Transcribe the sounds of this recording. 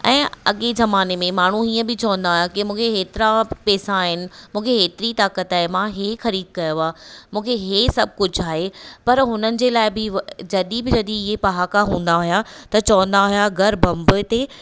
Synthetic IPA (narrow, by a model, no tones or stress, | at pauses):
ɛ̃ːɐ̰ɠezɐmaːnemẽmaːɳ̤uiːə̃bɪt͡ɕɐʋə̃nd̪aːɦjakɪmũːkʰeeːt̪ɪɾapɛːsãɦɪnɪ̆mũːkʰeɦeːt̪ɪɾit̪aːkət̪aːɦemãɦexɐɾiːd̪̚kɐjoaːmũːkʰeɦesɐb̚ʱkʊd͡ʑʱaːɦepɐɾɦʊnənɪ̆d͡ʑeːlaːɪbɪd͡ʑɐɗibɪd͡ʑɐɗiɪɦepɐɦaːkaɦũːn̆d̪aɦʊjat̪ɐt͡ɕɐʋə̃nd̪aːɦijaɡʱɐɾbɐ̃mbʊt̪e